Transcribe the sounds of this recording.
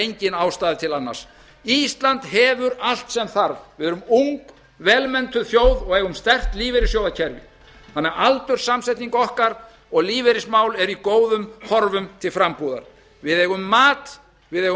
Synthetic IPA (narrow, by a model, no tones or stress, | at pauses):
ejɲcɪnaːwst̪aːðɪt̪ʰɪlanːa̰̥s | ist̪lant̪ɦɛːvʏɾal̥t̪sɛmθaɾvvɪðɛɾʏmuŋk | vɛːlmɛnt̪ʏθjoːwðɔɣɛːɣʏmst̪ɛr̥t̪liːvɛɾɪsjowðacʰɛɾvɪ̰ | θanːɛɾalt̪ʏɾ̥samsɛjt̪niŋkɔhkaɾ | ɔɣliːvɛɾɪsmaːwlɛɾikoːwðʏmhɔɾvʏmt̪ʰɪlfɾampuːða̰ɾ̥ | vɪðɛːɣʏmːaːt̪ | vɪðɛɣ